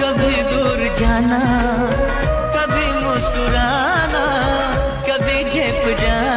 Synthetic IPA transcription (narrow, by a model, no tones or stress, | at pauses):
kɐbʱid̪uɾd͡ʒaːna | kɐbʱimosʈuɾaː | na | kɐbʱid͡ʒʱeːpd͡ʒaː